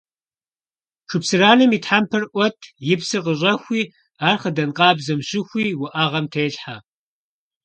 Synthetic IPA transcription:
ʂʰɨpsɨraːnɨmiːtħampʰɨrʔʷɔtʰjɪpsɨqəɕʼɐxʷiː | aːrχədɐnqʼɑːbzɐmɕɪxʷiːwʊʔaʁɐmtʰɐjɬħa

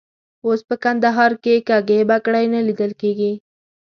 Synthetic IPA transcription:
ospəkand̪aɦɑɾkekaɡebakɽajnalid̪əlkeɡi

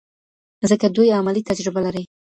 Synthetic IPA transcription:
zəkad̪ujamalit̪ad͡ʒɾɪbalaɾə

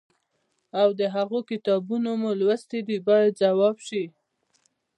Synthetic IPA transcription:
awd̪əɦaɣokɪt̪ɑbunomulwəst̪ed̪ibɑjad̪zawɑbʃi

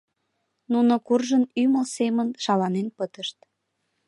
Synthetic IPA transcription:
nunokurʒənyməlsemənʃɑlɑnenpət̪əʃt̪

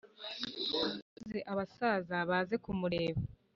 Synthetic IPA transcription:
zeʔaβasaːzaβaːze̞kumuɾe̞ːβe

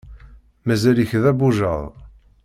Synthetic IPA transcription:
mæzæliçðæbuʒəðˤ

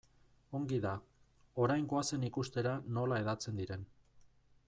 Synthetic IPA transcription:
o̞ŋɡiða | o̞ɾajŋɡoase̞nikust̪e̞ɾano̞lae̞ðat͡se̞nd̪iɾe̞n

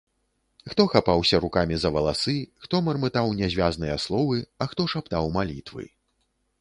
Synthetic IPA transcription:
xt̪ɔxapawsʲɐɾukamʲizɐvɐlˠasɨxt̪ɔmɐrmɨt̪awnʲɛzʲvʲaznɨjɐslˠɔvɨɐxt̪ɔʂapt̪awmalʲit̪vɨ̰

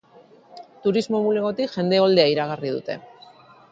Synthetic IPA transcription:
t̪uɾizmo̞mule̞ɣo̞t̪ikʝe̞nd̪e̞o̞ld̪e̞aiɾaɣ̞arið̞ṵt̪e̞̰

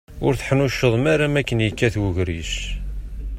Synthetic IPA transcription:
ʊɾθħənuʃːəðˤmaɾamækːənjəkːæθwuʝɾiʃ

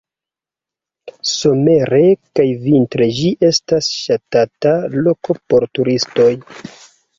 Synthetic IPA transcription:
so̞me̞ɾe̞kajvintɾed͡ʒiʔe̞stasʃatatalo̞ko̞po̞ɾtuɾisto̞j

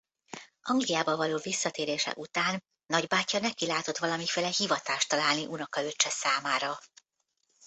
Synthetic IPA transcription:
ʔɒŋɡlijaːbɒvɒloːvisːɒt̪eːɾeːʃɛ̰ʔut̪aːnː | ɒɟbaːcːɒnɛkilaːt̪o̞t̪ʋɒlɒmifeːlɛɦivɒt̪aːʃt̪ɒlaːlniʔunɒkɒløt͡ʃːɛsaːmaːɾɒ

